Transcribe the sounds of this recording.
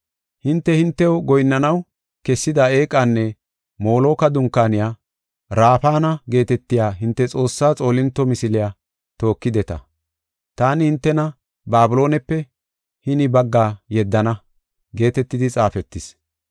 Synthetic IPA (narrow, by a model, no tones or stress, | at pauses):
hɪnt̪ːɛhɪnt̪ːɛɔɡɔjnːɐnɐw | kɛsːɪd̪ɐe̞ːkʼːanːɛ | mo̞ːlo̞ːkɐd̪ʊŋkːaːnɪjaː | ɾaːfaːnɐɡe̞ːt̪ɛt̪ːɪjaːɦɪnt̪ːɛt͡sʼo̞ːsːaːt͡sʼo̞ːlɪnt̪ːɔmɪsɪlɪjaː | t̪o̞ːkːɪd̪ɛt̪ɐ̰ | t̪aːnɪhɪnt̪ːɛnɐ | baːbʊlo̞ːnɛpːɛ | hɪnɪbɐɡːaːjɛd̪ːɐnɐ | ɡe̞ːt̪ɛt̪ːɪd̪ɪt͡sʼaːfɛt̪ːɪs